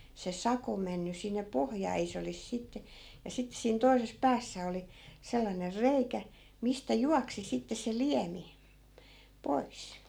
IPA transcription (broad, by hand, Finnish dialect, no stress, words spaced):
se sɑko menːy sinːe pohjɑː ei se olis sitːe jɑ sitːĕ siːn toises pæːsːæ oli selːɑner reikæ mistæ juɑksi sitːe se liæmi pois